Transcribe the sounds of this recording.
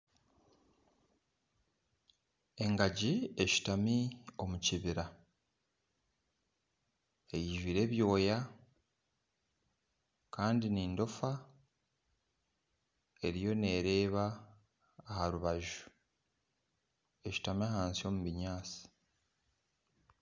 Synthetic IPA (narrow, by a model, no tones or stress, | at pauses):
e̞ŋɡaɟie̞ʃi̥tamio̞muciβiɾa | e̞jiʒwiːɾe̞βjo̞ːja | kaːndiniːndo̞fa | e̞ɾijo̞ne̞ːɾe̞ːβaː | haɾuβaʒu̥ | e̞ʃi̥tamiahaːnsio̞ːmuβiɲaːsi̥